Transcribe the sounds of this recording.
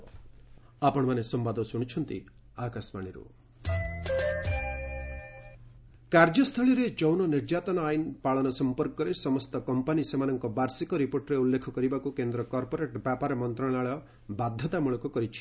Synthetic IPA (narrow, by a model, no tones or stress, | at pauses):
apɔɽ̃ɔmanesɔmbad̪ɔsuɽ̃it͡ʃʰɔnt̪ḭ | akasmaɽ̃iɾṵ | kaɾd͡ʒɔst̪ʰɔɭiɾet͡ʃɔwnɔniɾd͡ʒat̪ɔnɔajinpaɭɔnɔsɔmpɔɾkɔɾesɔmɔst̪ɔkɔmpanisemanɔŋkɔbaɾsikɔɾipoɾʈɾeulːekʰɔkɔɾibakukend̪ɾɔkɔɾpɔɾeʈbjapaɾɔmɔnt̪ɾɔɭ̃aɭɔ | bad̪ʱːɔt̪amuɭɔkɔkɔɾit͡ʃʰi̥